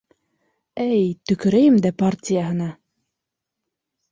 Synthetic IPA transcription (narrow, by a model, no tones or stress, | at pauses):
æjt̪ɵ̆kɵ̆ɾæjɘmd̪æpartʲɪjəɦɤ̆nɑ